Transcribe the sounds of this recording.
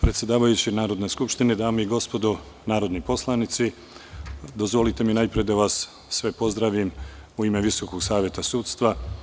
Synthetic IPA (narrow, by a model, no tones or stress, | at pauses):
pɾet̪sje̞d̪aːʋajut͡ɕinaːɾo̞d̪ne̞skupʃt̪ined̪aːmeiɡo̞spo̞d̪o | naːɾo̞d̪nipo̞slˠanit̪si | d̪o̞zʋo̞lit̪e̞minaːjpɾijed̪aʋasː | ʋe̞po̞zd̪ɾaʋimuime̞ʋiso̞koɡsaːʋje̞t̪asuːt̪st̪ʋa